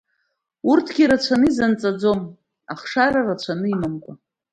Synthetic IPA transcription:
urtʰɡʲiɾat͡ɕʷʰanɨizant͡sʼad͡zo̞m | aχʂaɾarat͡ɕʷʰanɨimamkʷʼa

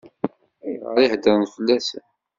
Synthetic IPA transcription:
æjʁə̰ɾihd̪əɾnfəlːæsæ

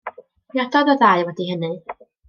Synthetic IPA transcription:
jɔdɔðɔðajwɛdihənɨ

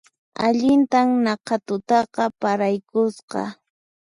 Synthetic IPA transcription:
aʎɪnt̪amnɑqɑt̪ʊt̪ɑqɑpaɾajkʊsqɑ̰

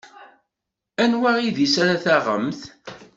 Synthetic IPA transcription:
ænwæʁiðisaɾaθaʁə̰mθ

